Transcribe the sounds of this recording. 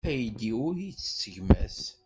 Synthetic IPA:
æjd̪iʊɾit͡sːsːəʝmæ̰s

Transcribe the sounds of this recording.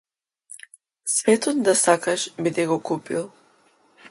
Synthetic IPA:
svɛt̪ɔt̪d̪asakaʃbid̪ɛɡɔkupḭlˠ

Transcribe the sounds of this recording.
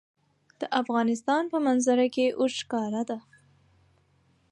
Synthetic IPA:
d̪̥əʔafɣɑnɪs̬t̪ɑnpəmanzaɾakeʔoʃkɑɾad̪a

